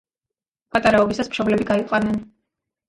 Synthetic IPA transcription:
pʼat̪ʼaɾaɔbisasmʃɔblɛbiɡaiqʼanɛn

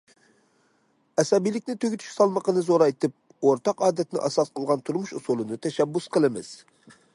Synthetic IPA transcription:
ɛsɑbijlɪkʲnɪt̪ʰøɡʲyt̪ʰy̥ʃsɑlˠməqənɨzoɾɑjt̪ɨp̚ | oɾt̪ɑqɑːd̪ɛt̪nɪ̰ʔɑsɑsqʰəlˠʁɑnt̪ʰuɾmuʃusulˠɨnɨt̪ʰɛʃɛbːusqʰəlˠɨmɨ̰z̥

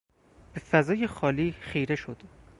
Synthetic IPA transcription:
b̥efæzɒːje̞xɒːliːxijɾe̞ʃod̪̥

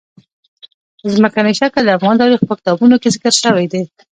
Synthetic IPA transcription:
zməkanajʃakad̪əafɣɑnd̪ɑɾixpəkɪ̥t̪ɑbunokezɪkəɾʃəwejd̪e

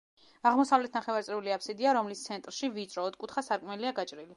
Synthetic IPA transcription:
aʁmɔsavlɛt̪ʰnaχɛvaɾt̪sʼɾɛuliapʰsid̪iaɾɔmlist̪sʰɛnt̪ʼɾʃivit̪sʼɾɔːt̪̚kʼut̪ʰχasaɾkʼmɛliaɡat͡ʃʼɾili

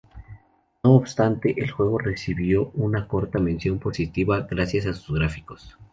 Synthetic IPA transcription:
no̞ːbst̪ant̪e̞ʔelxwe̞ɣo̞re̞siβjo̞unako̞ɾt̪amẽ̞nsjo̞mpo̞sit̪iβaɣɾasjasasu̥zɣɾafiko̞̥s

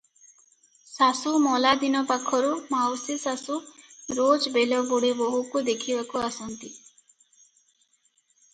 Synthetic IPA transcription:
sasumɔlad̪inɔpakʰɔɾumawsisasuɾod͡ʒbelɔbuɽibɔɦukud̪ekʰibakuasɔnt̪i

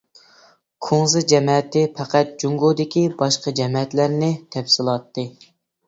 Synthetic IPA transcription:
kʰoŋzɨd͡ʒɛmɛt̪ɪpʰæqæt̪̚d͡ʒuŋɡod̪ɪkʲibɑʃqɑd͡ʒɛmɛɛt̪læɾnɪt̪ʰɛfsɨlˠɑt̪ːɨ

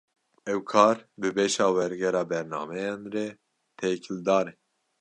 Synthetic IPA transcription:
ɛwkʰɑːɾbɨbeːʃɑːwɛɾɡɛɾɑːbɛɾnɑ̰ːmɛjɑːnrɛ | t̪ʰejkʰɪld̪ɑːɾɛ

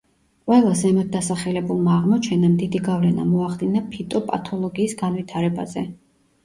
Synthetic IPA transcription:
qʼwɛlˠazɛmɛt̪̚d̪asaχɛlɛbulˠmaːʁmɔt͡ʃʰɛnamd̪id̪iɡavlɛna̰mɔaχd̪inapʰit̪ʼɔpʼa̰t̪ʰɔlˠɔɡiːsɡanvit̪ʰaɾɛba̰zɛ

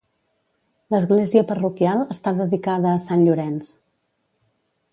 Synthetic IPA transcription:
ləzɣleziəpərukialˠəst̪aðəðikaðəːsanʎuɾɛns

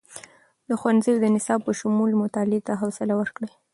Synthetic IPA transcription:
d̪əxwanziwd̪ənɪsɑb̚pəʃʊmulmʊt̪ɑlet̪aɦawsɪlawəɾkɽe

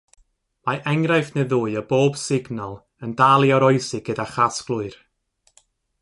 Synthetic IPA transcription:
majʔɛŋrajfneðuːɨəboːb̥sɪɡnɔlˠ | əndalˠjɔɾɔɨjsɪɡ̥ədaχasklˠʊɨr

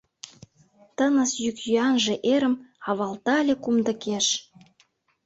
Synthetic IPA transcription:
t̪ənəsjykjyɑnʒĕʔeɾə̆mɑβɑlt̪ɑlʲekumd̪ə̆keʃ

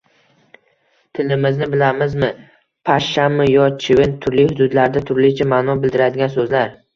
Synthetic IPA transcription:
t̪ʰɪlɪmɪznɪbɪlamɪzmɪ | pʰaʃːamːɪjɒt͡ʃʰɪvɪnt̪ʰʊɾlɪjhʊd̪ʊd̪laɾd̪at̪ʰʊɾlɪt͡ʃʰamaːnɒbɪld̪ɪɾad̪ɪɡʲans̬ɵzlaɾ

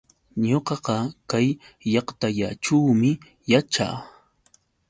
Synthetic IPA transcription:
ɲoqɑqɑkajːɑqt̪aʎa̰ʈ͡ʂuwmɪ | jat͡ʃa̰ː

